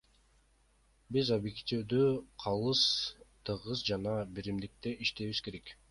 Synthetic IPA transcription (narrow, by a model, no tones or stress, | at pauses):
bizobjekt̪ʲiwd̪øqʰɑlˠɯst̪ʰɯʁɯzd͡ʒɑnɑbiɾimd̪ik̚t̪e̞ʔiʃt̪eβizke̞ɾek